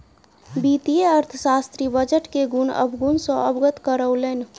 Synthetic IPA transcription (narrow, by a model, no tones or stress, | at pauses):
bit̪ijeəɾt̪ʰəsast̪ɾibəd͡ʒəʈkeɡunə̰bɡunsə̃əbɡət̪kəɾəʊlən